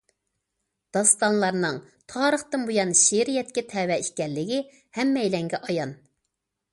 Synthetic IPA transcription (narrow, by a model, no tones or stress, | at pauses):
d̪̥ɑst̪ɑnlˠɑɾnɨŋ | t̪ʰɑːɾəχt̪ɨnbujɑnʃeɾijɛt̪̚kʲɛt̪ʰɛwɛiʃʲkʲɛlːɪɡʲɪ | hɛmːɛjlɛŋɡʲɛʔɑjɑn